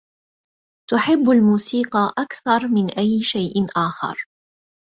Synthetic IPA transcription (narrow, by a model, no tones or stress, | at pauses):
t̪ʊħɪbːalmuːsiːqɑʔakθɑɾˤmɪnʔajːʃajʔʔaːxɑ̰ɾˤ